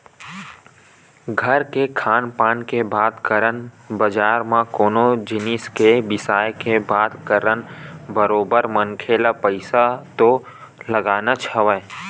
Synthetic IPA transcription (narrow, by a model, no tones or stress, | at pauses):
ɡʱəɾkekʰaːnpaːnkebaːt̪kəɾən | bəd͡ʒaːɾmãkoːnod͡ʒɪnɪskebɪsaːjkebaːt̪kəɾənbəɾoːbəɾmənkʰeːlapəɪsat̪o | ləɡaːnat͡ʃʰəʋə